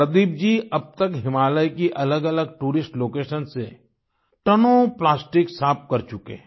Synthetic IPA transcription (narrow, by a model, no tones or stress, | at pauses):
ɾəd̪iːb̚d͡ʒiɐb̚t̪əkɦɪmaːləjkiʔɐləɡɐləɡ̚ʈuːɾɪsʈloːkeːʃənse | ʈɐnoplaːsʈɪksaːp̚kɐɾt͡ʃʊkḛ